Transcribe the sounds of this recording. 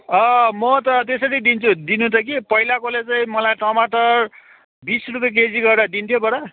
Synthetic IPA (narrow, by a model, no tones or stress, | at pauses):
ʌmʌt̪ʌt̪esʌɾid̪int͡sʰud̪inũt̪ʰʌk̬ipʌilakolet͡saĩmʌlajʈʌmaʈʌr | bisrup̬jek̬ed͡ziɡʌɾeɾʌd̪int̪ʰjobʌɽʌ